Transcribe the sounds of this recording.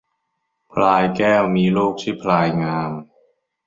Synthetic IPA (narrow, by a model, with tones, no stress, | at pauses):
pʰlaː˧jkɛː˥˩wmiː˧luː˥˩k̚t̪ʰiː˥˩pʰlaː˧jŋaː˧m